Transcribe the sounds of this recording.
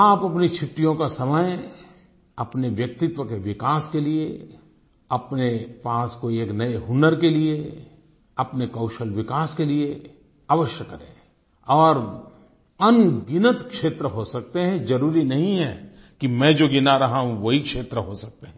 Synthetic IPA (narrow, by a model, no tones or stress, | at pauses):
aːpɐpnit͡ʃʰʊʈːijõkasɐməj | ɐpneʋjɐk̚t̪ɪt̪ʋəkeʋɪkaːskelie | ɐpnepaːskoieːknɐeɦʊnəɾkelie | ɐpnekɐʊʃəlʋɪkaːskelie | aʋəʃjəkːɐɾḛ̃ː | ɔːɾ | ɐnɡɪnət̪kʃeːt̪ɾəɦosɐk̚t̪eɦɛ̃d͡ʒɐɾuːɾinɐɦĩɦɛ | kimɛ̃ːd͡ʒoɡɪnaɾɐɦaɦũʋɐɦikʃeːt̪ɾəɦosɐk̚t̪eɦɛ̃ː